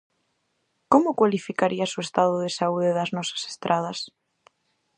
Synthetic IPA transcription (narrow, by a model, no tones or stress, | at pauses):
komʊkwalifikaɾiasoest̪að̞ʊðesauðeðaznɔsḁse̥st̪ɾʔað̞ɐs